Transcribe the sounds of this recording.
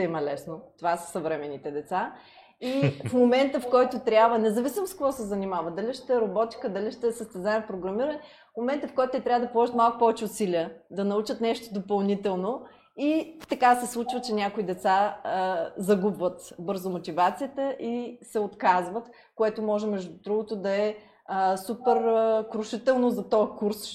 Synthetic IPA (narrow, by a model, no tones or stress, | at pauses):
t̪ɛimɐlɛsnot̪ovasə̥sɐvɾɛmɛnit̪ɛd̪ɛt̪sa | ifmomɛnt̪əfkɔjt̪ot̪ɾʲabvənɛzɐvisʲimskovɔsɛzɐnimavəd̪ɐliʃt̪ɛɾɐbɔt̪i̥kəd̪ɐliʃt̪ɛsəst̪ɛzaɛmpɾoɡɾɐmiɾənɛ | fmomɛnt̪əfkɔjt̪t̪ɛt̪ɾʲabvəd̪ɐpolˠɔʒət̪malˠkʊ̥pɔvɛt͡ʃɛʊsiliəd̪ɐnɐut͡ʃət̪nɛʃt̪od̪opɐlˠnit̪ɛlˠno | it̪ɐkasɛslˠut͡ʃvət͡ʃɛnʲakoid̪ɛt̪sa | zɐɡubvət̪bɤɾzomot̪ʲivat̪sijət̪əʔisɛot̪kazvət̪ | koɛt̪omɔʒɛmɛʒd̪ud̪ɾuɡʊt̪ʊd̪ɐɛ | supɛɾkɾʊʃit̪ɛlˠnozɐt̪ɔɛkuɾs